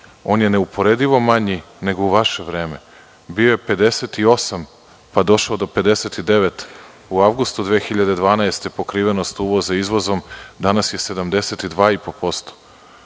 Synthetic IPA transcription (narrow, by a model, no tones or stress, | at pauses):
o̞ːnje̞neupo̞ɾed̪iʋo̞maɲi | ne̞ɡouʋaʃe̞ʋɾe̞ːme̞ | biojepe̞d̪e̞set̪io̞sam | pad̪o̞ʃaod̪o̞pe̞d̪e̞set̪id̪e̞ʋe̞t̪ | uaʋɡust̪ud̪ʋeːxiʎad̪e̞d̪ʋaːnaest̪e̞po̞kɾiːʋe̞nost̪uʋo̞zaizʋozomd̪anasje̞se̞d̪amd̪e̞set̪id̪ʋaːipo̞po̞st̪o̥